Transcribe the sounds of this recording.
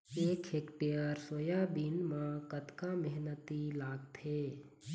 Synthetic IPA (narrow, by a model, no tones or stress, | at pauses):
eːkʰeːkʈijaːɾsoːjabɪnmãkət̪kamɛɦnət̪ilaːɡt̪ʰeː